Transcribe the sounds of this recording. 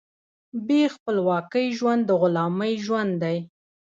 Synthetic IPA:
bexpəlwɑkəjʒwand̪ːəɣʊlɑməjʒwand̪d̪aj

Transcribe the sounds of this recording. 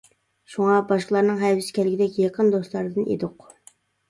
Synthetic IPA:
ʃuŋɑbɑʃqəlˠɑɾnɨŋɦɛwɪskʲɛlɪɡʲid̪ɛkʲjɑqʰənd̪oslˠɑɾɨd̪ɨnʔḛd̪ʊq

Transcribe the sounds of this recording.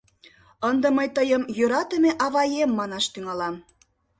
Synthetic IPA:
ənd̪ə̆məjt̪əjəmjøɾɑt̪ə̆meʔɑβɑjemːɑnɑʃt̪yŋɑlɑm

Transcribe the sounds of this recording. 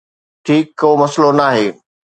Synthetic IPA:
ʈʰiːkːoːmɐslonaːɦeː

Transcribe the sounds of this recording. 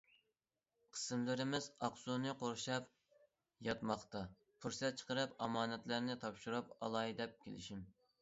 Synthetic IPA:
qʰə̥sɨmlɪɾɪmɪzɑqsunɨqʰoɾʃɑp | jɑt̪mɑχt̪ɑ | pʰuɾsɛt̪̚t͡ʃʰə̥qəɾɨpɑ̰mɑːnɛt̪læɾnɪt̪ʰɑpʃuɾɑpɑ̰lˠɑjd̪ɛp̚kʲʰḛlɪ̰ʃim

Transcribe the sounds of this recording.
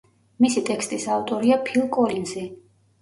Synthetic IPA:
misit̪ʼɛkst̪ʼisavt̪ʼɔɾiapʰilˠkʼɔlinzɛ

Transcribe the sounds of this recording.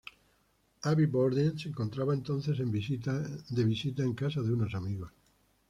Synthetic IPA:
aβiβoɾðenseŋkont̪ɾaβaent̪on̟θes̬embisiad̪eβisit̪aeŋkasaðeunosamiɣos

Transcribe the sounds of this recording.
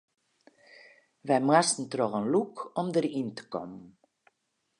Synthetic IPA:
ʋɛjmastn̩trɔɣənlukɔmdərintə̥kɔ̰mən

